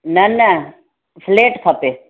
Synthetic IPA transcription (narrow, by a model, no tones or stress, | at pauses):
nɐnɐ | fʰleːʈkʰɐpeː